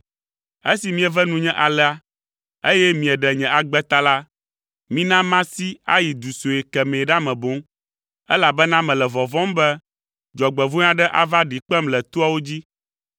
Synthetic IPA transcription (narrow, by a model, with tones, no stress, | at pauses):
e˦si˨mĩ˦ɛ˨vɛ˦nũ˦ɲɛ̃˦ʔa˨lɛ˦a˨ | e˦jɛ˦mĩ˨ɛ˨ɖɛ˨ɲɛ̃˨a˨ɡ͡bɛ˦t̪a˦la˦ | mĩ˦nã˦mã˦si˦a˦ji˨d̪u˨so˨e˨kɛ˨mɛ̃˨ɖa˦mɛ̃˨bo˦m | ɛ˦la˨bɛ˦nã˦mɛ̃˨lɛ˨vɔ˨vɔ̃˦mbɛ˦ | d͡ʒɔ˨ɡ͡bɛ˨vo˦ɲã˦ɖɛ˦ʔa̰˨va˦ɖi˨k͡pɛ˦mlɛ˨t̪u˦a˦wo˦d͡ʑi˦